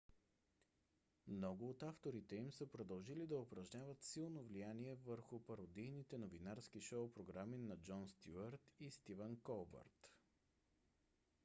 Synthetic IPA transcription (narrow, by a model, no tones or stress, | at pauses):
mnɔɡʊːt̪aft̪oɾit̪ɛimsəpɾod̪ɐlˠʒilid̪ɐopɾɐʒnʲavət̪silˠnovlijaniɛvəɾxʊpɐɾod̪ijnit̪ɛnovinaɾsk̟iʃɔpɾoɡɾaminɐd͡ʒɔnst̪juəɾt̪ist̪ivənkɔlˠbɐ̰ɾt̪